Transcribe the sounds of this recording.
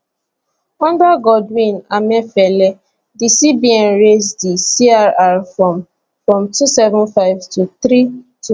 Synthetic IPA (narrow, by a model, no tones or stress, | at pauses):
ɔ̃ndaɡɔdwĩnamɛfɛlɛ | disibiɛ̃nɹesdisiaɹaɹfɹɔ̃m | fɹɔ̃mtusɛvə̃nfaɪvtuθɾitʰu